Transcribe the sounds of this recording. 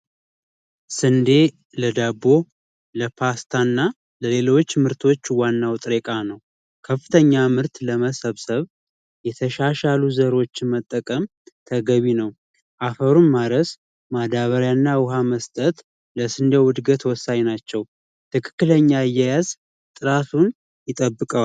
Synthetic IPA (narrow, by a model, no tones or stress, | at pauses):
sɨnd̪e | ləd̪abo̞ | ləpʰast̪ʰanːa | ləlelo̞t͡ʃːmɨɾt̪ʰo̞t͡ʃːwanːawt̪ʼɾekʼanəw | kʰəfːɨt̪ʰəɲːamɨɾt̪ləməsəβsəβ | jɛt̪ʰəʃaʃaluzəɾo̞t͡ʃːɪnmət̪ʼːəkʼəm | t̪ʰəɡəβinəw | ʔafəɾunmaɾəs | mad̪aβəɾjanːawʊɦaməst̪ʼət̪ | ləsɨnd̪əwʊd̪ɡət̪wɔsːaɲnat͡ʃːɛw | t̪ʰɨkʰɨ̥kːɨləɲːaɨjːajaz | t̪ʼɨɾat̪ʰun | jɪt̪ʼəbːɨkʼə